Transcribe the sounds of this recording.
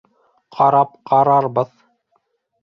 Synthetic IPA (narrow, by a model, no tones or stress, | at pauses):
qʰɑɾɑp̚qʰɑɾɑɾbɤð